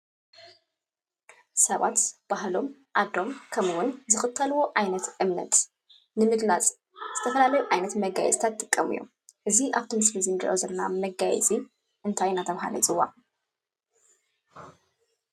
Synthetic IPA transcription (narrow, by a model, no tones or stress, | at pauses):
sɐβa̰t̪b̥ahlo̞m | ʔad̪o̞mkʰɐmwʊnzɨxɨt̪ʰːɐlwoʔajnɐt̪ʔɨmnɐ̰t̪ | nɨmɨɡlat͡sʼ | z̥ɨt̪ʰɐfɐlalɐjuʕajnɐt̪mɐɡa̰jɛ̰t͡sʼt̪ʰat̪ʼːɨkʼːɐmɨ̰jːo̰m | ʔɨziʔaβt̪ʰimɨslizind̪ʔozɐlna̰mɐɡajɛ̰t͡sʼi | ʔɨnt̪ʰajnat̪ʰɐβɦa̰lɐ̰zʼɨwːa̰